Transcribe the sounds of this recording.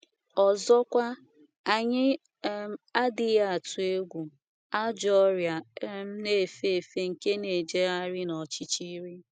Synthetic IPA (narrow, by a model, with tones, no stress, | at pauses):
ɔ˨zɔ˦kʷa˦ | a˨ɲɪ˦ | a˦dɪ˨ja˦a˨tʊ˨e˦ɡʷu˨ | a˦d͡ʒɔ˦ɾja˨˦m̩˦ne˨fe˦˨fe˦ŋ̩˨ke˦ne˨d͡ʒe˦a˦ɾɪ˦nɔ˨t͡ʃi˦t͡ʃi˦ɾi˦